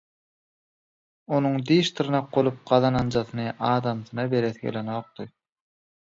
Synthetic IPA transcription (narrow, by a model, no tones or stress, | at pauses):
o̞nuŋd̪iːʃt̪ʰɯɾnɑq̚bolˠup̚ɢ̥ɑðɑnɑnd͡ʒɑθɯnɯʔɑːd̪ɑmθɯnɑbe̞ɾeθɡḛlenoːq̚t̪ɯ